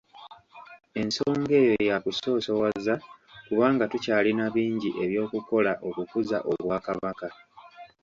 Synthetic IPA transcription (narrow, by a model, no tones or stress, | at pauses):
e̞nso̞ːŋɡe̞ːjo̞jakuso̞ːso̞wazːakuβaːŋɡatucaːlinaβiːɲɟiʔe̞βjo̞ːkuko̞laʔo̞kukuza̰ʔo̞βwaːkaβaka